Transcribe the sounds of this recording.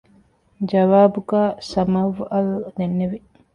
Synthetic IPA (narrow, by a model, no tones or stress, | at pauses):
d͡ʒɐʋaːbuɡaːsɐmɐʋɐld̪enːeʋe